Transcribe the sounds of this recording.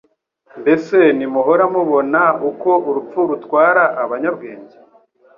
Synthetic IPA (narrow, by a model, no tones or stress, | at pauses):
nbe̞se̞nimuɦo̞ɾamuβo̞nauko̞ʔuɾup͡fuɾutkwaːɾaʔːβaɲabɡe̞ːɲɟe̥